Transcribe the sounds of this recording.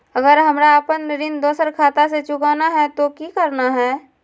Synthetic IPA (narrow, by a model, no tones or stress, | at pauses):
ɐɡəɾɦɐmɾaːpənːəɾind̪oːsəɾkʰaːt̪aset͡ʃʊkaːnaɦɛt̪okikɐɾnaɦɛː